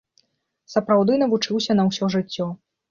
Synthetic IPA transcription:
sɐpɾawd̪ɨnɐvut͡ʂɨwsʲɐnɐwsʲɔʐɨt͡sʲːɔ

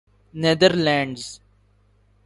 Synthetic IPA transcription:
ned̪əɾlɛ̃ːɳɖz

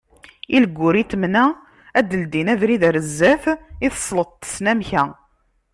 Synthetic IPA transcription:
iləɡʷːʊɾit̪mnæ | æd̪ːəld̪inævɾiðæɾəzːæfiθə̥sˤlət̪̚ˤt̪ːə̥snæmçæ

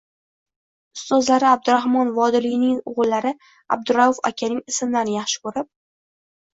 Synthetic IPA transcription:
sɵzlaɾɪab̚d̪ʊɾahmɒnvɒd̪ɪlɪɡnɪŋʊʁʊlːaɾɪ | a̰b̚d̪ʊɾaʊfa̰kʲʰanɪŋɪsmd̪anjɑχʃɪ̥kɵɾɪp̚

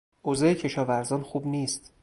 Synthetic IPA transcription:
ʔozɑːecʰe̞ʃɒːvæɾzɒːnxuːbniːst̪

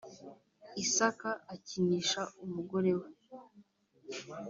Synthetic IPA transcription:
isakaʔːciniːʃaumuɡo̞ɾe̞we

